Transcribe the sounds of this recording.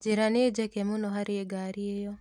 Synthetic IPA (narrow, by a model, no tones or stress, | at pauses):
d͡ʒeɾaneːd͡ʒɛkemunɔɦaɾieɡaɾiejɔ